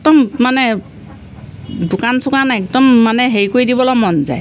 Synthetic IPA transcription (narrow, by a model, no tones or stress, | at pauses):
ɛkdɔmmanɛ | dukansʊkanɛkdɔmːanɛɦeɹikojdibɔlɔmɔnza̰j